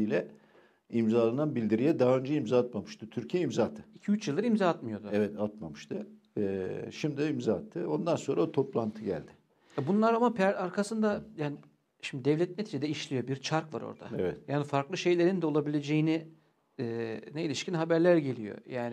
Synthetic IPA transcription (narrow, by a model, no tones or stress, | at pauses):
ilʲɛ | imzaːlˠananbilʲd̪iɾijɛd̪aɦaø̞nd͡ʒɛimzaːt̪mamɯʃt̪ut̪ʰyɾcʰijɛimzaːt̪ʰɯ̥icʰiyt͡ʃjɯlˠd̪aɾimzaat̪mɯjo̞d̪ʊɛvɛt̪at̪mamɯʃt̪ʰɯ | ʃimd̪id̪ɛimzaːt̪ʰːɯo̞nd̪anso̞nɾaot̪ʰo̞plˠant̪ʰɯɟæ̰lʲd̪ɪ | jabunlˠaɾamapʰæɾaɾkʰasɯnd̪ajaːni | ʃimd̪id̪ɛvlʲɛt̪̚net̪ʰid͡ʒid̪ɛiʃlʲijo̞biɾt͡ʃʰaɾkva̰ɾo̞̰ɾd̪a̰evɛt̪jaːnifaɾklˠɯʃe̞jlʲe̞ɾind̪ɛo̞lˠabilʲe̞d͡ʒejini | ɛːneilʲiʃcinɦabæɾlʲæɾɟe̞lʲijo̰jaːnɪ